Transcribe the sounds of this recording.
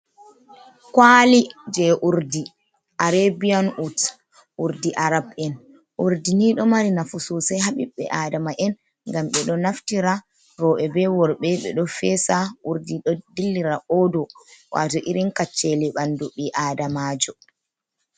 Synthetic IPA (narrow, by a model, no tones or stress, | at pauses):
kwaːlid͡ʒɛʔuɾdi | ʔaɾebijanʔut | ʔuɾdiʔaɾabɛn | ʔuɾdiniɗɔmaɾinafususajɦaɓiɓːɛ̰ʔaːdamaʔɛn | ŋɡamɓɛɗɔnaftiɾa | ɾɔʔɛbɛwɔɾɓɛɓɛ̰ɗɔfɛsaʔuɾdiɗɔdilːiɾaʔɔdɔwa̰ːtɔʔiɾinkat͡ʃːɛlɛɓanduɓiʔaːdamad͡ʒɔ